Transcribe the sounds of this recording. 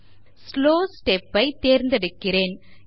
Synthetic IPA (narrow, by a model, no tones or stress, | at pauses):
sloːsʈɛpːɐɪt̪eːɾnd̪ɛɽɯkːɪreːn